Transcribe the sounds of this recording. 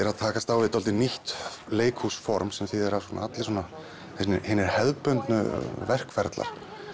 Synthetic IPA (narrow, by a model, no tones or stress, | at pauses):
ɛɾaðt̪ʰaːkast̪awvɪt̪ɔlt̪ɪniht̪leːjkʰhusfɔɾmsɛmθɪðɛɾavsɔːna̰at̪lɪswɔːna | hnɪhɪnːɪɾ̥hɛðpœnt̪nʏ̰vɛr̥kfɛɾt̪la̰ɾ̥